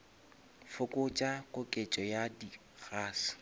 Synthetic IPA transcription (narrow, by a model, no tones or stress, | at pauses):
fʊkʼʊt͡ʃʼakʼʊkʼet͡ʃʼɔjadi | ɣaːsɪ̥